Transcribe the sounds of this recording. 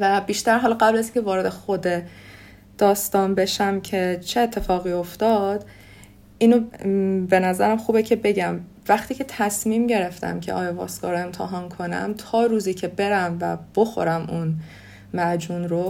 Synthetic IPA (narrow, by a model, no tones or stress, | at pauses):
væbiːʃt̪æɾɦɒːlɒɢæblæzincʰe̞vɒːɾe̞d̪e̞xod̪e | d̪̥ɒːst̪ɒːnbe̞ʃæmcʰe̞t͡ʃʰeeːt̪ʰːe̞fɒːɣiːo̞ft̪ɒːd̪̥ | ʔiːnobe̞næzæɾæmxuːbecʰe̞be̞ɟæm | væχt̪ʰiːcʰe̞t̪ʰæsmiːmɟe̞ɾe̞ft̪æ̰mcʰe̞̰ʔɒ̰ːjɒvɒ̰ːsɡɒ̰ːɾoe̞mt̪ʰeɦɒːnkʰo̞næ̰mt̪ʰɒːɾuːziːcʰe̞be̞ɾæmvæ̰b̥oxo̰ɾæmun | mæd͡ʒuːnɾo